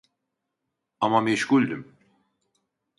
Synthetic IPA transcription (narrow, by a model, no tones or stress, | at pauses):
amameʃɡulʲd̪im